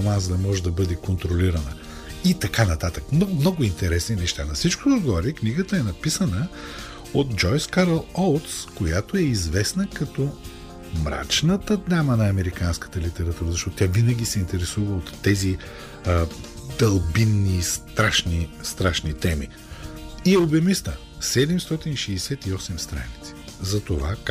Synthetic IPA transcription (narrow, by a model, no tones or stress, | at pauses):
nanzd̪ɐmɔʒɛd̪ɐbɤd̪ɛkont̪ɾoliɾɐnə | it̪ɐkanɐt̪at̪əkmnɔmnɔɡʊint̪ɛɾɛsninɛʃt̪anɐsit͡ʃkʊd̪oɡɔɾikniɡət̪əɛnɐpisənə | ot̪̚d͡ʒɔjskaɾəlˠolˠt̪skojat̪oɛizvɛsnəkɐt̪ɔ | mɾa̰t͡ʃnət̪əd̪nʲamənɐɐmɛɾikanskə̥t̪əlit̪ɛɾɐt̪uɾəzɐʃt̪ɔt̪ot̪ʲavinɐɡʲisɛint̪ɛɾɛsuvəot̪ːɛzi | d̪ɐlˠbinːist̪ɾaʃnist̪ɾaʃnit̪ɛmi | iɛobɛmist̪ə | sɛd̪ɛmst̪ɔt̪iniʃɛːsɛt̪iɔsɛmst̪ɾa̰nit̪si̥zɐt̪ovak